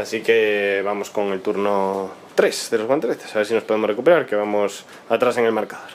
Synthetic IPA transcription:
asikeβamoskoŋelt̪uɾnot̪ɾesðeloɣwãnt̪eβeθe̥saβeɾsinospoðemosrekupeɾaɾkeβamos | at̪ɾaseŋelmeɾkaðoɾ

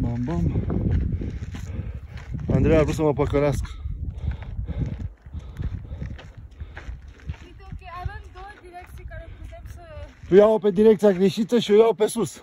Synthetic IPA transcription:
mambam | and̪ɾejavɾus̬əməpəkəɾask | pujawpe̞d̪iɾe̞k̚t̪sijaɡɾeʃit̪əʃiujawpe̞sus

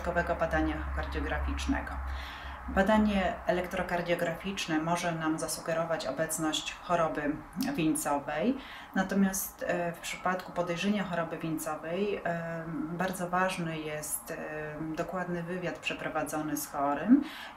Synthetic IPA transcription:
kɔvɛɡɔbad̪aɲaxkaɾd̪jɔɡɾafʲit͡ʂnɛ̰ɡɔ | bad̪aɲɛɛlɛkt̪ɾɔkaɾd̪ʲjɔɡɾafʲit͡ʂnɛmɔʐɛnamzasuɡɛɾɔvat͡ɕɔ̰bɛt̪snɔɕt͡ɕxɔɾɔbɘvʲiɲt̪sɔvɛj | nat̪ɔmʲjast̪fpʂɘ̥pat̪kupɔd̪ɛjʐɛɲaxɔɾɔbɘvʲint̪sɔvɛj | baɾd̪zɔvaʐnɘjɛst̪d̪ɔkwad̪nɘvɘvʲjat̪pʂɛpɾɔvad̪zɔnɘsxɔɾɘm

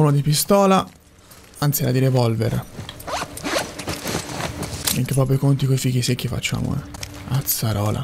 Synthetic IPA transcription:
unod̪ipist̪ɔːla | ant̪siɛɾad̪iɾevɔlvḛɾ | miŋkepɾɔːpɾokont̪ikojfikːisekːifa̰t͡ʃːa̰ːmo̰ | at̪saɾɔːlʔa̰

